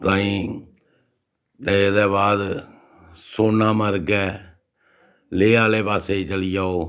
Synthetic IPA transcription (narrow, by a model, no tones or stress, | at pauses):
t̪ãːĩː | t̪ed̪ɛːβaːd̪ | soːnãːməɾɡɛː | leːaːleːpaːseːit͡ʃəlɪjaːoː